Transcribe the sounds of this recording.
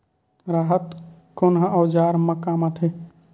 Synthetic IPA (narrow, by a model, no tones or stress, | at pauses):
ɾaɦət̪konɦəʔəwd͡ʒaɾməkamat̪ʰe